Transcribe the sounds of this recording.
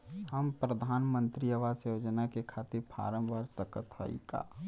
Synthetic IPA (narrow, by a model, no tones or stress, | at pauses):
həmpɾəd̪ʱaːnmə̃nt̪ɾiəʋasjod͡ʒənakekʰaːt̪ɪɾpʰa̰ːɾə̃mʋaɾsəkət̪ɦa̰ḭka̰ː